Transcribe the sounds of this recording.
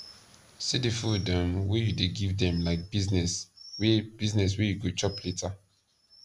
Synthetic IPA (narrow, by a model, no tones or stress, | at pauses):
sidefudɔ̃mwejudeɡivdɛ̃mlaɪk̚biznɛswɛb̥iznɛs̬wɛjuɡot͡ʃɔpleta